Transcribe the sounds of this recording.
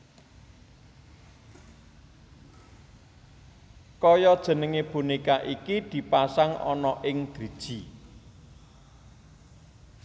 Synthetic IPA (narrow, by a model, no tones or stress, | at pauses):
kɔjɔd̥ʒ̥ə̤nəŋeb̥unikaʔikid̪̥i̤pasaŋɔ̰nɔʔɪŋd̪̥ɾid̥ʒ̥i̤